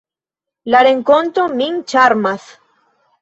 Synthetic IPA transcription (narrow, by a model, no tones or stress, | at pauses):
laɾeŋkont̪omiŋt͡ʃaɾmas